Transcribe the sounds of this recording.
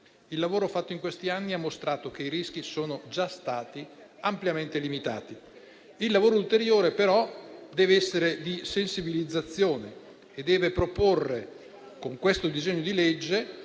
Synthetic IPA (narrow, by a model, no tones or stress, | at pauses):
ilːavoːɾofat̪ːoiŋkwest̪ianːiamːost̪ɾaːt̪okeiɾisk̟isoːnod͡ʒast̪aːt̪iampljament̪elimit̪a̰ːt̪i | ilːavoːɾoult̪eɾjoːɾepeɾɔd̪ɛːveɛsːeɾed̪isensibilid̪zːat̪sːjoːne | ed̪ːɛːvepɾoporːe | koŋkwest̪od̪izɛɲːod̪iled͡ʒːe